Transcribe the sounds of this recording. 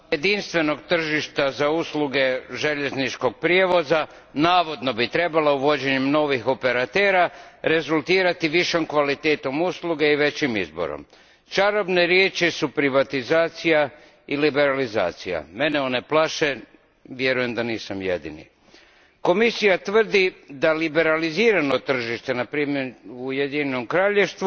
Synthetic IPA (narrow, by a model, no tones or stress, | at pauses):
je̞d̪inst̪ʋe̞no̞ɡ̚t̪r̩ʒiʃt̪azausluɡe̞ʒe̞ʎe̞znit͡ʃko̞ɡ̚pɾje̞ʋo̞za | naːʋo̞d̪no̞bit̪ɾe̞balauʋo̞d͡ʑe̞ɲemno̞ʋixo̞pe̞ɾat̪e̞ːɾaɾe̞zulˠt̪iːɾat̪iʋiʃomkʋalit̪e̞ːt̪o̞musluɡe̞iʋe̞t͡ɕimizbo̞̰ɾo̰m | t͡ʃaɾobne̞ɾjeːt͡ʃisupɾiʋat̪izaːt̪sija | ilibe̞ɾaliza̰ːt̪sija̰me̞neo̞neplˠaʃe | ʋje̞ɾuje̞md̪aniːsamjḛd̪ḭnḭ | ko̞misijat̪ʋər̩d̪id̪alibe̞ɾaliziːɾano̞t̪r̩ʒiʃt̪e̞napɾiːme̞ɾujed̪ino̞mkɾaːʎeʃt̪ʋu